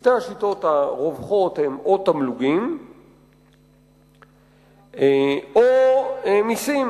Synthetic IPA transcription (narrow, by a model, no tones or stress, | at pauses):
t̪eaʃito̞thaʁovχo̞t̪hemot̪amluɡim | oemisim